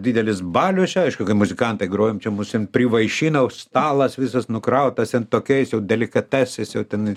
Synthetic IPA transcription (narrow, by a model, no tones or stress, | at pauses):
dʲiːd̪ʲɛlʲɪsbɑːlʲʊsʲɐɪʃkʊkɐɪmʊzʲɪkɐnt̪ɐɪɡɾoːjɪmt͡ʃʲɛmʊsʲɪnpʲrʲɪʋɐɪʃʲiːnɐʊst̪ɑːlˠɐsʋʲɪs̬ɐsnʊkɾɐʊt̪ɐst̪ʲɛnt̪oːkʲɛɪsjɛʊd̪ʲɛlʲɪkɐt̪ʲæsʲɛɪsjɛʊt̪ʲɛn